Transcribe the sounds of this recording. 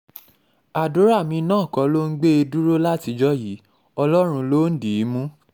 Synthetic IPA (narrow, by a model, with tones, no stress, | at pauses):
a˨du˨˦ɾa˦˨mĩ˧nãː˦˨kɔ˨˦lo˦ŋ̩˦ɡ͡be˦e˧du˦ɾo˦la˦ti˧d͡ʒɔ˦ji˨˦ | ɔ˧lɔ˦ɾ̃ũ˧lo˦n̩˦di˨˦mũ˦